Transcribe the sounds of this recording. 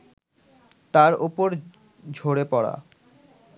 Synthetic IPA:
t̪aɾopoɾ | d͡ʑʱoɽepɔɽa̰

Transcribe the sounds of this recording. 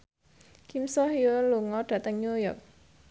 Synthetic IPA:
kimsɔhioluŋɔɖ̥ä̤t̪əŋɲujɔk̚

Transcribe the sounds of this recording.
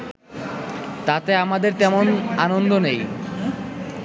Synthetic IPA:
t̪at̪eamad̪eɾt̪ɛmonanond̪onej

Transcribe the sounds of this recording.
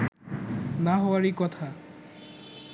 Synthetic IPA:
naɦɔwaɾikɔt̪ʰa

